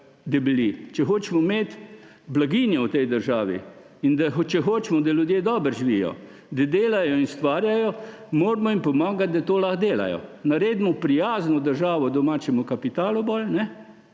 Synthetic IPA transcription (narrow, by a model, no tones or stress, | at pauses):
d̪ɐbilit͡ʃɛxoːt͡ʃɛmɔmeːt̪ | blaɡinjɛwt̪ɛjd̪əɾʒaːʋḭ | ind̪at͡ʃɛxoːt͡ʃmɔd̪alʲjud̪jeːd̪ɔːbəɾʒiʋijɔ̰ | d̪ad̪eːlajɔinst̪ʋaːɾjajɔ | moːɾmɔimpɔmaːɡat̪̚d̪at̪oːlaxd̪eːla̰jɔ̰naɾeːd̪mɔpɾijaːznɔd̪əɾʒaːʋɔd̪ɔmaːt͡ʃɛmukapit̪aːlubɔlnɛ